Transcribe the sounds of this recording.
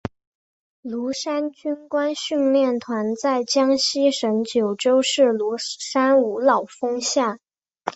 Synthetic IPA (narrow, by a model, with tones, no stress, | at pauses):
lu˧˥ʂa˥nt͡ɕy˥nkwa˥nɕy˥˧nljɛ˥˩nt̪ʰwa˧˥nt͡sa˥˩ɪt͡ɕjɑ˥ŋɕi˥ʂə˧˥nt͡ɕjo˨˩ʊʈ͡ʂo˥ʊʂɻ̩˥˩lu˧˥ʂa˥nu˨˩lɑ˨˩ʊfɤ˥ŋɕjɑ˥˩